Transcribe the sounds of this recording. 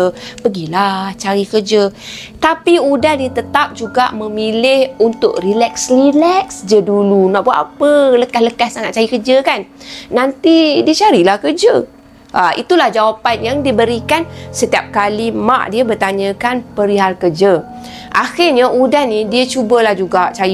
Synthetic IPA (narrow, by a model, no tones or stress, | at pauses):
əpəɡilat͡ʃaɾikəd͡ʒət̪apiudahdiət̪ət̪ap̚d͡ʒuɡa̰ʔmə̃milɪhunt̪ʊk̚rilɛksrilɛksd͡ʒədulunaʔbuat̪apələkahləkahsaŋat̪̚t͡ʃaɾikərd͡ʒəkanːant̪idiət͡ʃaɾilahkərd͡ʒə | ʔaʔḭt̪ulahd͡ʒawapanjaŋdibəɾikansət̪iap̚kalima̰ʔdiəbərt̪aɲə̃kanpəɾiɦalkərd͡ʒə | ʔaxɪrɲaʔudanːidiət͡ʃubəlahd͡ʒuɡaʔt͡ʃai